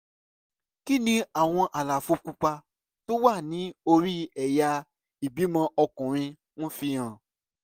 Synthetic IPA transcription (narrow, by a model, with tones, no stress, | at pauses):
ki˦nĩ˦a˦˨w̃ɔ̃˧ʔa˨la˨fo˧ku˦k͡pa˧ | to˦wa˦˨nĩ˨˦o˧ɾi˦ɛ˨ja˧ | i˨bi˨˦mã˧ʔɔ˧kɔ̃˨ɾ̃ĩ˧ | ñ̩˦fĩ˧ã˨